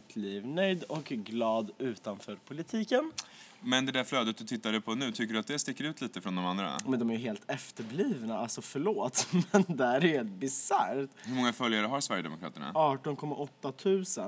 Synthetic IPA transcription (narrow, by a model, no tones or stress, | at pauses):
t̪ʰliːvnœjd̪ɔkɡlɑːd̪ʉ̟ːt̪anfœːɾpʰʊlɪt̪ʰiːkənmɛnd̪ɛd̪æɾflœːd̪ət̪̚d̪ɵt̪ʰɪt̪ːad̪əpʰɔnʉ̟ːt̪ʰʏkːəɖɵat̪̚d̪ɛst̪ɪkːəɾʉ̟ːt̪liːt̪əfɾɔnd̪ɔmand̪ɾa̰mɛnd̪ɔmæɾjɵɦeːlt̪ʰɛft̪əɾbliːvnaalsɔfœɭoːt̪mɛnd̪ɛæɾheːlt̪̚bɪsaɾɾt̪hɵɾmɔŋːafœljaɾəɦaɾsvæɾjəd̪ɛ̰mʊkʰɾɑ̰ːt̪əɳa̰ɑːʈɔnkʰɔmːaʔɔt̪ːat̪ʰʉ̟ːsə